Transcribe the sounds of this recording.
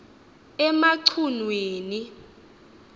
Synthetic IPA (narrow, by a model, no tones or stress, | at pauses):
ɛmaǀʰunweːni